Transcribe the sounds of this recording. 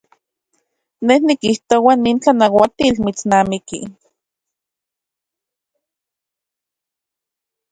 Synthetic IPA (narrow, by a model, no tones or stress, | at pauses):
nehnikiht̪owanːiːnt͡ɬanawat̪iːlmit͡snaːmikḭ